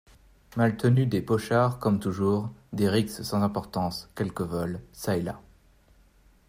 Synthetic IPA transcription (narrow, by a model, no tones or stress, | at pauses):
malt̪ənyd̪epɔʃaʁkɔmt̪uʒuʁd̪eʁikssɑ̃zɛ̃pɔʁt̪ɑ̃skʲɛlkəvɔlsaela̰